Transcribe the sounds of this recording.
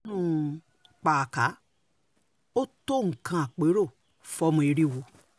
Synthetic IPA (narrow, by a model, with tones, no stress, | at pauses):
nũ˦˨ | k͡pa˨ka˨˦ | o˦to˦˨ŋ̩˨kã˧a˨k͡pe˨˦ɾo˦˨ | fɔ˧˦mũ˧e˧ɾi˦wo˧